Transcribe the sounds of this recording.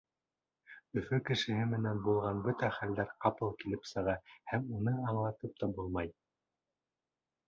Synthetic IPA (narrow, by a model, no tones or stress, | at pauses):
ɵ̆fɵkɘ̆ʃɘ̆hɘmɘ̆nænbulˠʁɑnbɵt̪æχæld̪æɾqɑpɤlˠkilɘpsɤ̆ʁɑhæmunɤɑɴlˠɑt̪ɤp̚t̪ɑbulˠmɑj